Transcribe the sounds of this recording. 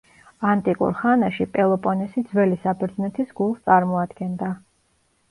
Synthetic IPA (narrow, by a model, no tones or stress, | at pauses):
ant̪ʼikʼṵɾχanaʃipʼɛlˠɔpʼɔnɛsid̪zwɛlisapʰɛɾd̪znɛt̪ʰisɡ̥ulˠst̪sʼaɾmɔad̪ɡɛnd̪a